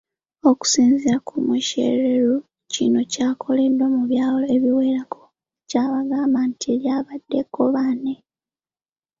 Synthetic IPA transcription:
o̞ku̥siːnziɾakumweʃḛɾeɾu | cḭno̞caːkʰo̞le̞dːo̞muβjaːloeβiwe̞ːɾako̞ | caːβaɡaːmbantʰie̞ljaːβadːe̞kʰːoβaːne

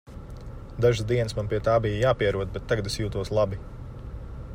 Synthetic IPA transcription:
d̪aʒɪzd̪iɛnsmanpiɛt̪aːbijjaːpiɛɾuɔd̪̚bɛt̪ːaɡɐd̪esjuːt̪uɔslˠabi

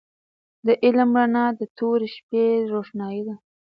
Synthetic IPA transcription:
d̪əʔɪlmɾanɑd̪ət̪ʰoɾeʃpeɾoʃnɑjid̪a

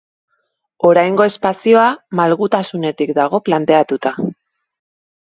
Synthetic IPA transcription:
o̞ɾajŋɡo̞e̞spasio̞amalɣut̪asune̞t̪ikd̪aɣ̞o̞plant̪e̞at̪ut̪a

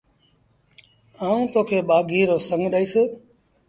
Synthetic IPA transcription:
aːũːt̪oːkʰeːɓaːɡiːɾoːsəŋɡʱɗaːiːsɪ

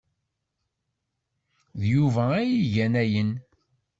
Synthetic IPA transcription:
ðjuvææjiʝænæjən

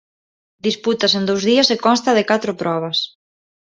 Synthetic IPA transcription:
d̪isput̪ɐsend̪owzðiɐsekɔnst̪ɐðɪkat̪ɾʊpɾʔɔβ̞ɐs

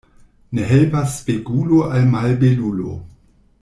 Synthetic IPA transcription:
ne̞ɦelpasːpeɡuloʔalmalbelulo̰

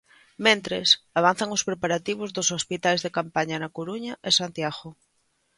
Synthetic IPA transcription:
mẽnt̪ɾḛsaβ̞an̟θaŋospɾepaɾat̪iβ̞ozðosospit̪ajzðekampaɲanakoɾuɲaʔesant̪jaɣo

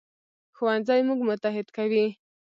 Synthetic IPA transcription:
xuwanzajmuɡmʊt̪aɦɪd̪kawi

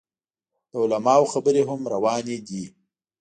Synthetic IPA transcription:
d̪̥əʊlamɑwxabəɾeɦʊmɾawɑned̪i

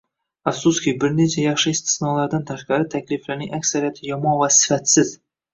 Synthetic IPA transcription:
afsuskʲɪbɪɾne̞t͡ʃʰajɑχʃɪɪst̪ʰɪ̥snɒlˠaɾd̪ant̪ʰaʃqɑɾɪt̪ʰakʲlɪflaɾnɪŋʔakʲsaɾijat̪ʰɪjɒmɒnvasɪ̥fat̪sɪz̥

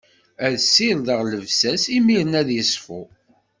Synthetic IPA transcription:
æðsːɪlðəʁləvsæsimiɾənæðjəsfu

